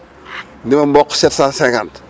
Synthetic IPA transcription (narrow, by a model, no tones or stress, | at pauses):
ndimɐmbɔkːsɛtsãnsɛ̃ŋkant